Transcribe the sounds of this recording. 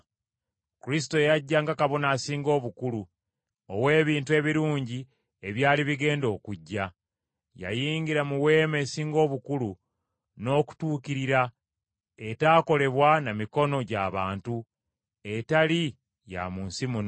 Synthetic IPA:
kuɾis̬i̥to̞jaɟːaŋɡakaβo̞naːsiːŋɡo̞ːβukulu | owe̞ːβiːntue̞βiɾuːɲɟi | eβjaːliβiɡe̞ːndo̞ːkuɟːa | ja̰jiːŋɡiɾamuwe̞ːmesiːŋɡo̞ːβukulu | no̞ːku̥tuːkiɾiɾa | e̞taːko̞le̞βwanamiko̞no̞ɟa̰βaːntu | e̞tali | ja̰munsimun

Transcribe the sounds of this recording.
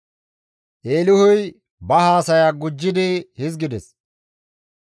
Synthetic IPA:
ʔeːlʊhʊj | bɐhaːsɐjaːɡʊd͡ʒːɪd̪ɪhɪzɡɪd̪ɛs

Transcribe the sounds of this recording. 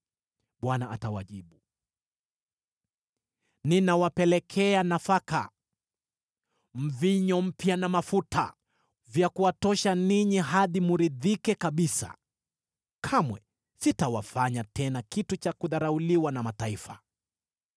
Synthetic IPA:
ɓwanaʔatawaʄiɓu | ninawapɛlɛkʰɛanafaka̰ | m̩viɲɔm̩pjanamafutʰa̰ | vjakuwatɔʃaniɲiɦaðimuɾiðikɛkaɓisa̰ | kʰamwɛ | sitawafaɲatɛnakitut͡ʃakuðaɾauliwanamataifa

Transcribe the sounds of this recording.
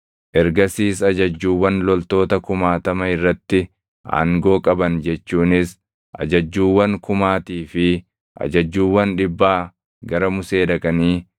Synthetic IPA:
ʔɛɾɡɐsiːsɐd͡ʒɐd͡ʒːuːwːɐnlɔlt̪o̞ːt̪ɐkʊmaːt̪ɐmɐɪrːɐt̪ːɪ | ʔa̰ːŋɡo̞ːkʼɐbɐnd͡ʒɛt͡ʃːuːnɪs | ʔɐ̰d͡ʒɐd͡ʒːuːwːɐŋkʊmaːt̪iːfɪ | ʔɐ̰d͡ʒɐd͡ʒːuːwːɐnᶑɪbːaː | ɡɐɾɐmʊseːdɐkʼɐniː

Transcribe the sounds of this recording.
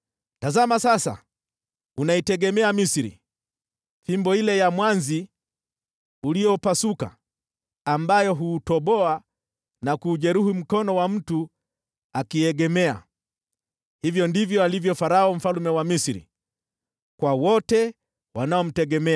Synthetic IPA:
tazamasasa̰ | unaitɛɡɛmɛamisiɾḭ | θimbɔilɛjamwanzi | uliɔpasuka̰ː | mbajɔɦuːtɔɓɔa | nakuːʄɛɾuhim̩kɔnɔwam̩tu | akiɛɡɛmɛa̰ | hivjɔndivjɔalivjɔfaɾaɔm̩falumɛwamisiɾḭ | kwawɔtɛ | wanaɔm̩tɛɡɛmɛ

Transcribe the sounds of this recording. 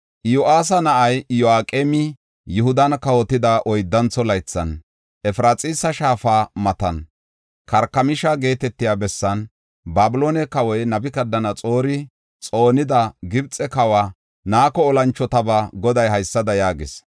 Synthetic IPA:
ʔjʊʔaːs̬ɐnɐʔɐjjɔaːkʼeːmɪ | jʊhʊd̪ɐnkɐwɔt̪ːɪd̪ɐʔɔjd̪ːɐnt͡sːɔlɐjt͡sːɐ̰n | ʔɛfɾaːt͡sʼiːsɐʃaːfaːmɐt̪ɐn | kɐɾkːɐmɪʃɐɡe̞ːt̪ɛt̪ːɪjaːbɛsːɐn | baːbʊloːnɛkɐwɔjnɐbɪkɐd̪ːɐnɐt͡sʼo̞ːɾɪ | t͡sʼo̞ːnɪd̪ɐɡɪbt͡sʼɛkɐwaː | naːkɔːlɐnt͡ʃːɔt̪ɐbɐɡɔd̪ɐjhɐjsːɐd̪ɐjaːɡɪs

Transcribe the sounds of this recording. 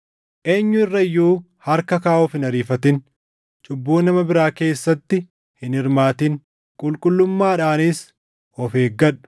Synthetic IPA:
ʔe̞ːɲːʊɪrːɐɪjːuː | hɐɾkɐkaːɔfɪnɐɾiːfɐt̪ɪn | t͡ʃʼʊbːuːnɐmɐbɪɾaːke̞ːsːɐt̪ːɪ | hɪnɪɾmaːt̪ɪŋ | kʼʊlkʼʊlːʊmːaːᶑaːnɪs | ɔfeːɡɐᶑʊ̥

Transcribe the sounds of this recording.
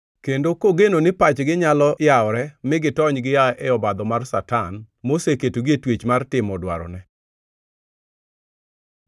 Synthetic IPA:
kendokoɡenonɪpat͡ʃɡɪɲalɔjaɔɾɛmɪɡɪtɔɲɡɪjaɛɔbad̪ɔmarsatan | moseketoɡietwet͡ʃmartɪmɔdwa̰ɾɔ̰nɛ

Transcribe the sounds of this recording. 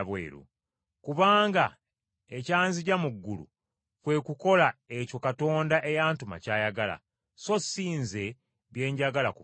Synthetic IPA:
βwḛːɾṵ | kuβaːŋɡa | ecaːnziɟamuɡːulṵ | kwe̞ːkuko̞laeco̞kato̞ːndaʔe̞jaːntuma̰caːjaɡala̰ | so̞siːnze̞ | βje̞ːɲɟaɡalaku

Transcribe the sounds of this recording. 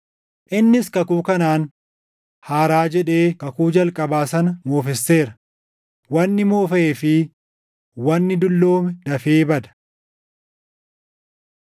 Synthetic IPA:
ʔɪnːɪskɐkuːkɐnaːn | haːɾaːd͡ʒɛᶑe̞ːkɐkuːd͡ʒɐlkʼɐbaːsɐnɐmo̞ːfɛsːe̞ːɾɐ | wɐnːɪmoːfɐeːfɪ | wɐnːɪd̪ʊlːo̞ːmɛd̪ɐfeːbɐd̪ɐ̥

